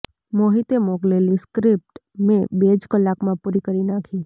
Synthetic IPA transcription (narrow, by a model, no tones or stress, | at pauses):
moɦit̪emoɡleliskɾip̚ʈmẽbed͡ʒkəlːakmãpuɾikəɾinakʰi